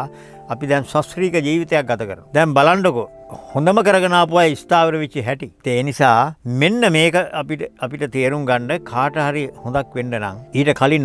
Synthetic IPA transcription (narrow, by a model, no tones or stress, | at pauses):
ɐpid̪ɛnsasɾiːkəd͡ʒiːʋit̪ejak̚ɡat̪ɐkəɾənud̪ɛmbalaɳɖokuhõnd̪əməkəɾəɡɐnaːpuʋajist̪aːʋəɾəʋit͡ʃːiɦɛʈit̪eːnisaːmenːəmeːkəapiʈəapiʈət̪eːɾuŋɡaɳɖəkʰaːʈəɦaɾihõnd̪akʋeɳɖəna̰ŋiːʈəkʰalin